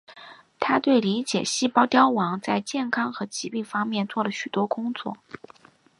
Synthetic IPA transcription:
t̪ʰa˥t̪we˥˩ɪli˧˥t͡ɕjɛ̰˨˩ɕi˥˩pɑ˥ʊt̪jɑ˥ʊwɑ˧˥ŋt͡sa˥˧ɪt͡ɕjɛ˥˩nkʰɑ˥ŋxɤ˧˥t͡ɕi˧˥pi˥˩ŋfɑ˥ŋmjɛ˥˧nt͡swɔ˥˩lə˩ɕy˨˩t̪wɔ˥kʊ˥ŋt͡swɔ̰˥˩

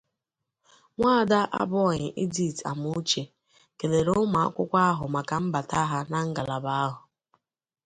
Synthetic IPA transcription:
ŋʷaː˦˨da˦ʔa̰˦bɔ˦˨ɲɪ˨ʔi˦d͡ʒi˦˨ta̰˨mʊ˦t͡ʃe˨ | ke˨le˨ɾʊ˦ma˨a̰˦kʷʊ˦kʷa˦a˦ɦʊ˨ma˨ka˨m̩˦ba˨ta˦ɦa˦na˦ŋ̩˦ɡa˨la˨ba˦a˦ɦʊ˨

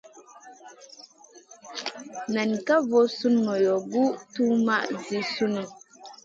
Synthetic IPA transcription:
na˨nka˦vo˦su˦nŋo˨jo˨ɡu˦tu˦ma˦ʔzi˨su˦nu˨

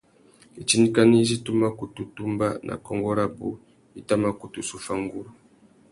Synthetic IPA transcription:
i˨t͡ʃi˦ni˦ka˦ni˦zi˦tu˦ma˦ku˨tu˨tu˦mba˦nʔa̰˨kɔ˦ŋɡɔ˦ɾa˦bo̰˨ | i˦ta˦ma˦ku˨tu˨su˦fa˦ŋ˦ɡu˦ɾu˦

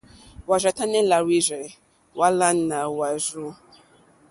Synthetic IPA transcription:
wa˨ʒʷɛ˨ta˦nɛ̃˦la˨wi˦zɛ˨ | wa˦la˦nã˨wa˨zu˦

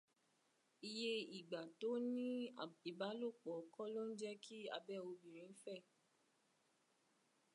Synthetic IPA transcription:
i˧je˦i˨ɡ͡ba˨to˨˦nĩ˦i˨ba˨˦lo˦˨k͡pɔ˨kɔ˦lo˦n̩˦d͡ʒɛ˦kʰi˦a̰˧bɛ˦˨o˧bĩ˨ɾ̃ĩ˨˦fɛ˦˨

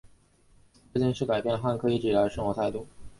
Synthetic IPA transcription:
t͡ɕi˥˧ŋʂɻ̩˥˩ka˨˩ɪpjɛ˥˧nə˩xa˥˩nkʰɤ˧˥i˧˥˩ʈ͡ʂi˨˩a˧˥ʂɤ˥˧ŋxwɔ˧˥t̪ʰa˥˧ɪt̪u˥˩

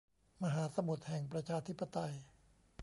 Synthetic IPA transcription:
ma˧ɦaː˩˦sa˧mu˨˩t̪̚hɛ˨˩ŋpɾa˧t͡ɕʰaː˧t̪ʰi˦˥pːa˧t̪a˧j

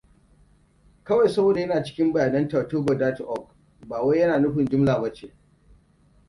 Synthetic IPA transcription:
kɐ˦wa˨jsɐ˦wdjɐ˦naː˨t͡ʃɪ̥˦kʲɪ˦mbɐ˨jaː˨nɐ˦ntaː˨toː˦bɐ˨daː˦tʔɔ˦˨k̚ | baː˨wa˦jjɐ˦naː˨nʊ˦ɸɪ˨nd͡ʒʊ˦mlaː˨bɐ˦t͡ʃeː˨

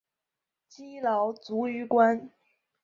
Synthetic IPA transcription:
t͡ɕi˥lɑ˧˥ʊt͡su˧˥y˧˥kwa˥n

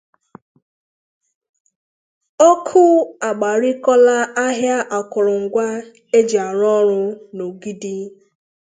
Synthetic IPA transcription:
ɔ˦kʰʊ˦a˨ɡ͡ba˨ɾi˦kɔ˦la˦a˦ɦja˦ʔa˨kʊ˨ɾʊ˨ŋ̩˨ɡʷa˦ | e˦d͡ʒa˨ɾɔ˦ɾʊ˦no˨ɡi˦di˦

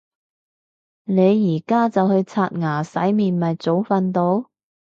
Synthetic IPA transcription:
ne˨˧jːiː˨˩kaː˥t͡sɐ˨whɵ˧ɥt͡sʰaː˧t̚ŋaː˨˩sɐ˨˥jmiː˨nmɐ˨jt͡so˨˥wfɐ˧nt̪o˨˧˥w

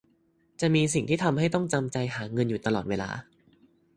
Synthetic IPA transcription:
t͡ɕa˨˩miː˧s̬i˨˩ŋt̪ʰiː˥˩t̪ʰa˧mɦa˥˩jt̪ɔ˥˩ŋt͡ɕa˧mt͡ɕa˧jɦaː˩˦ŋɤ˧njuː˨˩t̪a˧lɔː˨t̪̚weː˧la̰ː˧

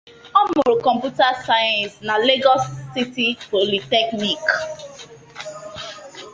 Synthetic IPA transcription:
ɔ˦mʊ˨ɾo˨kɔ̃˨mpju˦ta˦sa˦jɛ̃˨nsna˨le˦ɡɔ˦sːi˦ti˦po˨li˨tɛ˦kni˨k

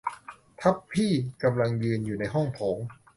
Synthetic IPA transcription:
t̪ʰa˦˥pʰːiː˥˩ka˧mla˧ŋjɯː˧njuː˨˩na˧jɦɔ˥˩ŋpʰoː˩˦ŋ

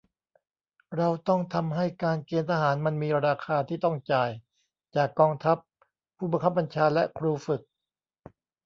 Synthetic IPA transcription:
ɾa˧wt̪ɔ˥˩ŋt̪ʰa˧mɦa˥˩jkaː˧nkeː˧nt̪ʰaː˧ɦaː˩˦nma˧nmiː˧ɾaː˧kʰaː˧t̪ʰiː˥˩t̪ɔ˥˩ŋt͡ɕaː˨˩j | t͡ɕaː˨˩kːɔː˧ŋt̪ʰa˦˥pʰː | uː˥˩ba˧ŋkʰa˦˥p̚ba˧nt͡ɕʰaː˧lɛ˦˥kʰɾuː˧fɯ˨˩k̚

